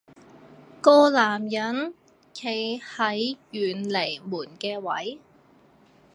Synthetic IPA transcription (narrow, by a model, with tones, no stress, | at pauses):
kɔː˧laː˨˩mjɐ˨˥n | kʰe˨˩jhɐ˨˥jjyː˨˩nle˨˩jmuː˨˩nkɛː˧wɐ˨˥j